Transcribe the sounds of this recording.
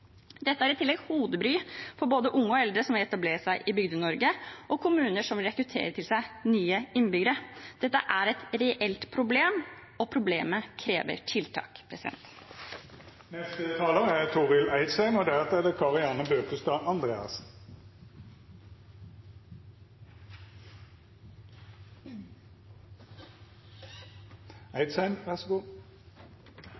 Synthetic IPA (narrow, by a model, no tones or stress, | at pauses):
d̪ɛt̪ːəæɾɪt̪ʰːɪlːɛɡhuːd̪əbɾyːfɔboːd̪əʔʊŋːəɔɛld̪ɾəsɔmʋɪlɛt̪ɑbleːɾsæɪʔɪbʏɡd̪ənɔɾɡəʔɔkʰʊmʉːnəʂɔmʋɪlɾɛkɾʉt̪ʰḛːɾət̪ʰɪlsæɪnyːəɪnbʏɡəɾəd̪̥ɛt̪ːəʔæɾɛt̪ɾɛʔɛlt̪pʰɾʊbleːm | ɔpʰɾʊblḛːməkʰɾeːʋə̰ʈʰɪlt̪ʰɑ̰ːkpʰɾɛsɪd̪ɛ̰nt̪ | nɛst̪ət̪ʰɑːləʁəæʁt̪ʰuːʁɪlæɪd̪sæɪnɔd̪ɛæɑt̪ɛd̪ɛkʰɑʁɪɑːnəbøːkəst̪ɑːʔɑnd̪ʁḛːɑ̰s | æɪd̪sæɪnʋæʁsɡuː